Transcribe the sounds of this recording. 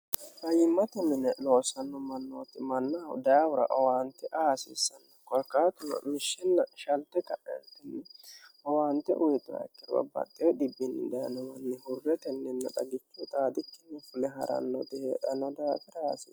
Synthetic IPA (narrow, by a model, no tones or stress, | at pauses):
hɐjɪmːɐt̪ɛmɪnɛloːsɐnːɔmɐnːoːt̪ɪmɐnːad̪awʊɾɐ̰ʔɔwaːnt̪ːɛʔaːsɪ̰ːsɐnːɐkɔlkaːt̪ʊnɐ̰mɪʃːɛnːɐʃɐlt̪ːɛkɐʔɛt̪ɪnːɛwaːnt̪ːɛ̰ʔʊjt̪ːʊɐ̰kːɪɾwɐ̰bɐ̰t̪ʼːɪjɔdɪbːɪnːɪ̰d̪ɐnɔwɐnːɪhʊrːɛt̪ɛnːɛnːɐᶑɐɡɪt͡ʃːɪt̪aːd̪ɪkːɪnːɛfʊlɛɦɐ̰ɾʔɐ̰nːɔt̪ɪhḛːᶑɐnːɔd̪aːt̪ɪɾaːsi